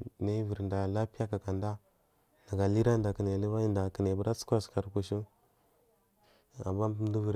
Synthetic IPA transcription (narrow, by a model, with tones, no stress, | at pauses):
na˦və˨ɾnda˨la˦pja˦ka˨ka˨nda˦ | na˨ɡa˨li˦ɾa˦nda˨kə˨ne˨li˦va˦i˦nda˨kə˨ne˨bə˦ɾa˦t͡su̥˦kʷa˦ska˨ɾku˨ʃi˦ | a̰˨mːa˦du˦və˨ɾ